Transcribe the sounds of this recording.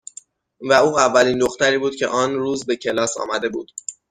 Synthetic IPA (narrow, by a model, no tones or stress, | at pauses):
væuːævːæliːnd̪oxt̪æɾiːbuːd̪̚cʰe̞̰ʔɒːnɾuːzbe̞cʰe̞lɒːsɒ̰ːmæd̪e̞buːd̪̥